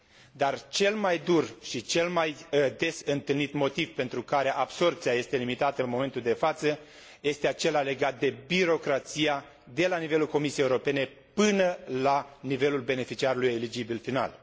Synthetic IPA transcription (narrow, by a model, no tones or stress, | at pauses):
d̪art͡ʃe̞lmajd̪urʃit͡ʃe̞lmajd̪e̞sɨnt̪ɨlnit̪mo̞t̪ivpe̞nt̪ɾukaɾe̞ʔabso̞rp̚tsijaje̞st̪e̞limit̪at̪əɨnmo̞me̞nt̪uld̪e̞fat̪sə | je̞st̪e̞at͡ʃe̞lale̞ɡat̪̚d̪e̞biɾo̞kɾat̪sija | d̪e̞lanive̞lulko̞misijejeuɾope̞ne̞ | pɨnəlanive̞lulbe̞ne̞fit͡ʃiaɾuluje̞lid͡ʒibilfina̰l